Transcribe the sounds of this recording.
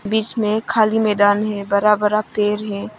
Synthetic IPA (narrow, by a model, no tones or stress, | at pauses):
biːt͡ʃmẽkʰaːlimɛːd̪aːnɦɛbəɾaːbəɾapeːɾɦɛː